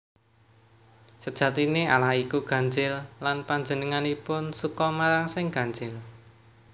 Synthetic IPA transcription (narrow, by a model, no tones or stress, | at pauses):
səd̥ʒ̥ä̤t̪inealahikuɡ̥ä̤ɲd͡ʒɪlːanpaɲd͡ʒənəŋanipʊnsukɔmaɾaŋsɪŋɡ̥a̤ɲd͡ʒɪl